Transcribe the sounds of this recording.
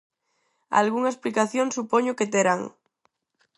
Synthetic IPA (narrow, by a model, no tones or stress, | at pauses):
a̰lɣuŋaesplikaθjoŋsupoɲoket̪eɾaŋ